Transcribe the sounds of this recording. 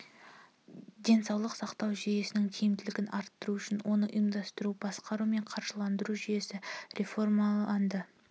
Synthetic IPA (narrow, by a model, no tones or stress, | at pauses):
d̪e̞nsɑwlˠəqsɑqt̪ɑwʒije̞sɪnɪŋkʲʰijɪmd̪ɪlɪɡʲɪnʔɑɾt̪ːəɾuʏʃɪnwo̞nəʔijəmd̪ɑst̪əɾubɑsqɑɾume̞ɴqʰɑɾʒəlˠɑnd̪əɾuʒije̞sɪɾʲe̞fo̞rmɑɑnd̪ə